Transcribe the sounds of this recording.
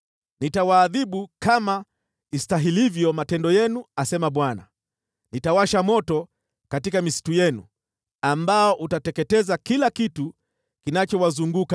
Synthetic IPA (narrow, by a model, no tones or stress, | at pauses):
nitawaːðiɓukama | istaɦilivjɔmatɛndɔjɛnuasɛmaɓwana̰ | nitawaʃamɔtɔ | katikamisi̥tujɛnṵ | ambaɔʔutatɛkɛtɛzakilakitu | kinat͡ʃɔwazuŋɡuka